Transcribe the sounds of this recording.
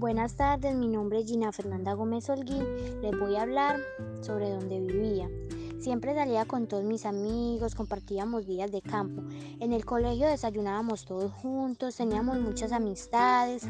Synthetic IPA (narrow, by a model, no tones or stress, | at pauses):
bwe̞nast̪aɾd̪e̞zminõ̞mbɾe̞ezd͡ʒinafe̞ɾnand̪aɣo̞me̞solɡile̞zbo̞jaβlaɾso̞βɾe̞ðo̞nd̪e̞βiβiasje̞mpɾe̞saliako̞nt̪o̞ðozmisamiɣo̞sko̞mpaɾt̪iamo̞zd̪iazd̪e̞kampo̞ | e̞ne̞lko̞le̞xjo̞ðe̞saʝunaβamo̞st̪o̞ðosxunt̪o̞st̪e̞niamo̞zmut͡ʃasamist̪aðe̞s